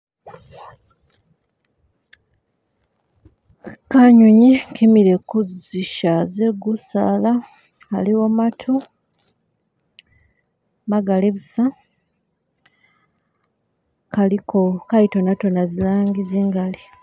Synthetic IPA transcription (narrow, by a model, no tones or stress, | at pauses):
kaɲuɲikʰimiɾe̞kuziʃaze̞ɡusa̰laː | liwomatʰu | maɡaleβusa | kalikʰokaito̞natonazilaːŋɡiziːŋɡali